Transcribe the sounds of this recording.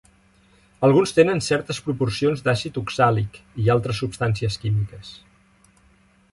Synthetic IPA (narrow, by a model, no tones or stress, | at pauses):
əlˠɣunst̪enənsɛɾt̪əspɾupursionzd̪asit̪uksalikialˠt̪ɾəsːupst̪ansiəskimikəs